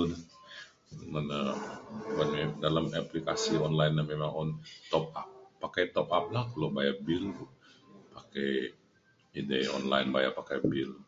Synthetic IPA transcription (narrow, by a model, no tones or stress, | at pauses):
na | mana | kanmedalamaplika̰siɔnlajnːamemaŋɔnt̪ɔp̚ap̚ːakajt̪ɔp̚ap̚lahkalobajabilt̪ʊ | pakɛj | ideɔ̰nla̰jnbaja̰pakajbil